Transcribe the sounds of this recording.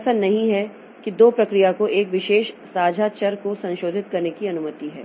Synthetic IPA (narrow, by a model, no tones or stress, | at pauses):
sənːɐɦĩɦɛ | kid̪oːpɾɐkɾijakoʔeːkʋɪʃeːʃsaːd͡ʒʱat͡ʃɐɾkosɐ̃nʃoːd̪ʱɪt̪kɐɾnekiɐnʊmət̪iɦɛ̰ː